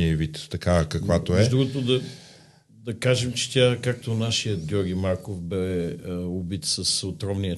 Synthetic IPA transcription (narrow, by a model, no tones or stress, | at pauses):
iɐvit̪ːɐkakɐkvat̪oɛd̪ɾuɡot̪od̪ɐ | d̪ɐkaʒɛmt͡ʃɛ̥t̪ʲjakak̚t̪onaʃijət̪̚ɡʲɔɾɡʲimaɾkofbɛ | obit̪səsot̪ɾɔmnijə